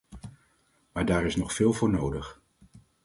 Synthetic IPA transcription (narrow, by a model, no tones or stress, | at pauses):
maːɹdaːɾɪsnɔχfɪːlˠvʊːɹnowdəχ